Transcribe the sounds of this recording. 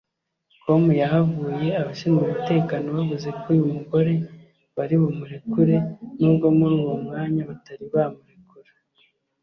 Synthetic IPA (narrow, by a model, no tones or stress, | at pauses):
kʰo̞mujaɦavuːje̞aβaʃiːnɡumute̞ːkano̞βaβuze̞kujumuɡo̞ɾe̞ | βaɾiβomuɾekuɾe̞nuːbɡo̞muɾuːwo̞mŋaːɲaβataɾiβamuɾekuɾe